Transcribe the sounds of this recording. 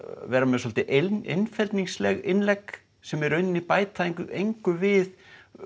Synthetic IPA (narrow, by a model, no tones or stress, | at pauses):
vɛːɾamɛðsɔlt̪ɪʔeḛjnfɛlt̪niŋslɛɣɪnlɛk | sɛmɛɾʏɥnːɪnipaːjt̪ʰaiŋkʏʔejŋkʏvɪð